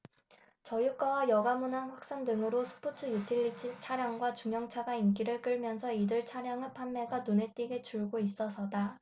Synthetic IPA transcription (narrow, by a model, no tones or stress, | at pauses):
t͡ɕʌjuk͈awajʌɡamunɦanɸwak̚s͈andɯŋɯɾosʰɯ̥pʰotʰɯjutʰiʎːit͡ɕʰit͡ɕʰaɾjaŋɡwat͡ɕuŋjʌŋt͡ɕʰaɡaink͈iɾɯɭk͈ɯɭmjʌnsʰʌidɯɭt͡ɕʰaɾjaŋɯpʰanːe̞ɡanone̞t͈iɡet͡ɕuɭɡois͈ʌsʰʌda